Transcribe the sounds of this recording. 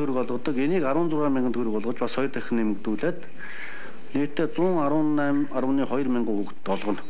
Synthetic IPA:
uɾɘ̆kɔɮʁɞ̆t̪ɞ̆keniːkaɾwə̆ːnt͡sʊrʁaːmʲiŋɡə̆t̪xɵɾɘ̆kɔɮʁə̆t͡ɕpasχɔjrt̪ʰœxʲɘ̆nːemɘ̆kt̪uːɮeːt̪ | neːkʰt̪ʰːeːt͡sʊːŋn | aɾə̆ːniːχɔj̆rmaɴɢʊːxukt̪ɔɮʁɞ̆n

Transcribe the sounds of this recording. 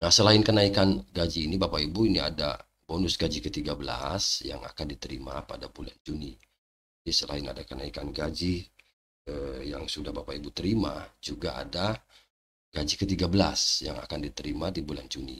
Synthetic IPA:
nahsəlaɪnkənaikanɡad͡ʒiːnibapaibuinia̰da̰ | bonʊsɡad͡ʒikət̪iɡabəla̰sja̰ŋa̰kandit̪əɾimapadabula̰nd͡ʒuni | disəla̰ɪna̰dakənaikanɡad͡ʒi | əjaŋsudahbapaibut̪əɾimad͡ʒuɡaa̰da | ɡ̥ad͡ʒikət̪iɡabəlasja̰ŋa̰kandit̪əɾimadibuland͡ʒunḭ

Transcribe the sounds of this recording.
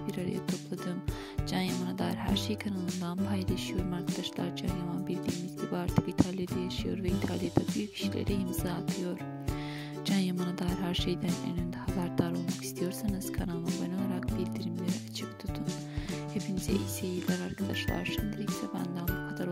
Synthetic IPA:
biɾaɾa̰jat̪ʰo̞plˠad̪ɯm | d͡ʒanjamanad̪aːiɾɦæ̰ɾʃejkʰanalˠɯnd̪anpʰajlˠaʃɯjo̞ɾumaɾkʰad̪aʃlˠa̰ɾd͡ʒa̰njamanbilʲd̪ʲiːmizd̪ɛbaɾt̪ʰɯkit̪ʰalʲijad̪ajaʃɯjo̞ɾvɛit̪ʰalʲˠijad̪abyjycʲʰi̥ʃilʲḛɾɛjɯmɯzaːt̪ʰɯjo̞ɾ̥ | d͡ʒanjamanad̪aːjiɾɦæɾʃejd̪ænø̰nynd̪ɛhabæɾd̪aɾo̞lˠmakist̪ʰijo̞ɾsanɯz̥kʰanalˠɯnbano̞lˠaɾak̚bilʲd̪iɾimlʲeɾiat͡ʃʰɯkt̪ʰut̪ʰːun | hepʰinizɛ̰iseilʲæɾaɾkʰad̪a̰ʃlˠa̰ɾʃind̪iɾɛcsɛba̰nd̪anbukʰad̪aɾ

